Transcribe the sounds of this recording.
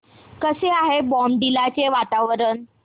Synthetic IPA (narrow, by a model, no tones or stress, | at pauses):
kəseaɦebɔmɖilat͡seʋat̪aʋəɾən